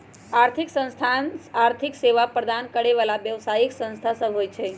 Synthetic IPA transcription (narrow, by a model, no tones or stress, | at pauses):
aɾt̪ʰiksə̃ñst̪ʰanaɾt̪ʰikseʋapɾəd̪ʱankəɽeʋalaʋjəʋsajiksə̃nst̪ʰasəbʱojt͡ʃʰe